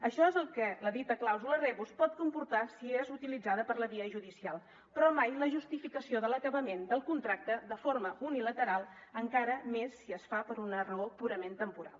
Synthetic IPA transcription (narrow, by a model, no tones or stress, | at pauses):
əʃɔezəlˠkɛləðit̪əklawzulərɛβuspɔt̪̚kumpuɾt̪asiezut̪ilid͡zaðəpəɾləβiəʒuðisialˠ | pɾɔmajləʒust̪ifikəsioðələkəβəmend̪əlˠkunt̪ɾak̚t̪əðəfoɾməunilət̪əɾalˠəŋkaɾəmesːiəsfapəɾunərəopuɾəment̪əmpuɾa̰lˠ